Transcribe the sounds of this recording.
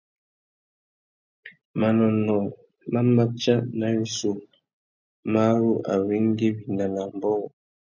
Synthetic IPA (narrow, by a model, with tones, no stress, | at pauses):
ma˨nɔ˨nɔ˨ | ma˦ma˦t͡ʃa˦na˨wi˦su˨ | ma˦ɾu˦ʔa̰˨wi˦ŋ˦ɡi˦bi˨na˨na˨mbɔ˦ɣɔ˨